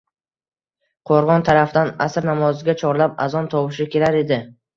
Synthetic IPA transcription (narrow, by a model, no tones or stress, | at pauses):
qʰoɾʁɒnt̪ʰaɾafd̪anasɾnamɒzɪɡʲat͡ʃʰɒɾlapa̰zɒnt̪ʰɒwɪʃɪkʲʰe̞laɾe̞d̪ɪ